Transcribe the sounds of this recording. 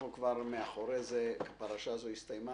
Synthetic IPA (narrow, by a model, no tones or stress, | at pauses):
ukvaɾmeaχoɾezekapaɾaʃazoist̪ajma